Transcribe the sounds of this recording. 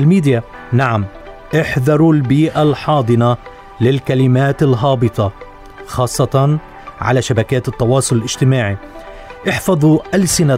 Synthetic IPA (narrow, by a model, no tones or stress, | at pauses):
ɪlmiːd̪ja | naʕam | ʔɪħðɑɾˤulbiːʔalħɑːd̪ˤɨna | lɪlkalɪmaːt̪ɪlɦɑːbɨt̪ˤɑ | xɑːsˤːɑt̪ɑn | ʕa̰laʃabakaːt̪ɨt̪ˤːɑwɑːsˤʊlɪlʔɪʒ̥t̪ɪmaːʕi | ʔɪħfɑðˤuʔalsɪna